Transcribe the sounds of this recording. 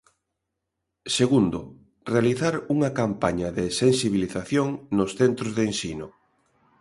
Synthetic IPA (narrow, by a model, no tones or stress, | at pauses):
seɣund̪ʊ | realiθaɾuŋɐkampaɲɐðesensiβ̞iliθaθjoŋnosθent̪ɾozðensinʊ